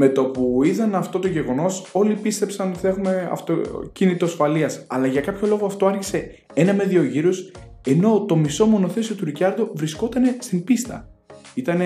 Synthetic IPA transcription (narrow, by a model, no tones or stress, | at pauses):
me̞t̪o̞puiðɐnɐft̪o̞t̪o̞ʝe̞ɣo̞no̞so̞lipist̪e̞psɐno̞t̪i̥θe̞xume̞ɐ̰ft̪ocinit̪oɐsfɐliɐsɐlɐʝɐkɐpço̞lo̞ɣoɐft̪o̞ɐɾçise̞ | enɐme̞ðio̞ʝiɾoseno̞t̪o̞miso̞mo̞no̞θe̞sio̞t̪uɾicɐɾðovɾisko̞t̪ɐne̞st̪imbist̪ɐ̰ | it̪ɐne